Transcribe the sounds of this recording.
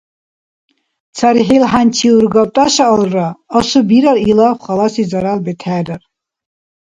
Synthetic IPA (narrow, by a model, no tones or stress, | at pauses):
t͡sʰaɾiɦɛlɦant͡ʃʰiuɾɡɔt̪ʼaʃaɔlɾaːsubiɾaɾilawχalasizaɾalbɛt̪ʰɛːɾaɾ